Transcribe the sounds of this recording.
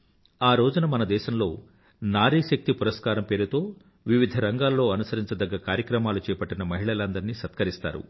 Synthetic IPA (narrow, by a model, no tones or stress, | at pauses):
aːɾo̞ːd͡ʒunɐmɐnɐd̪ɛːʃɐmlo̞ː | naːɾiːʃɐk̚t̪ipuɾɐskaːɾɐmpe̞ːɾut̪o̞ː | ʋiʋid̪ʱɐɾɐŋɡaːlːo̞ːɐnusɐɾiɲt͡ʃɐd̪ɐɡːɐkaːɾjɐkɾɐmaːlut͡ʃɛːpɐʈːɐnɐmɐɦiɭɐlɐnd̪ɐɾiniʃɐt̪kɐɾist̪a̰ːɾṵ